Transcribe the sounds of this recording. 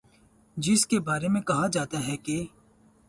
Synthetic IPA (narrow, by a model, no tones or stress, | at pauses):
d͡ʒɪskebaːɾemẽkɐɦad͡ʒaːt̪aɦɛke